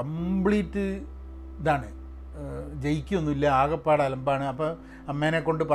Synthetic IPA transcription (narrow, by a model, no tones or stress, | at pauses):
ɐmbɭiːtːɨ | ðaːɳɨ | d͡ʑejikʲːuonːuilːɐaːɣɐpːaːɽaːlɐmbaːɳɨɐpːɐ | ɐmːeːnekːo̞ɳɖɨpɐ